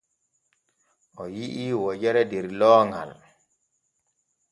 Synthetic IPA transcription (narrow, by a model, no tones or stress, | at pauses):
ʔɔjiʔiːwɔd͡ʒɛɾɛdɛɾlɔːŋɡa̰l